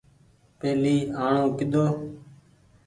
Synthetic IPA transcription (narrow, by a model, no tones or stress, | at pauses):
peːliːaːɳõːkɪd̪oː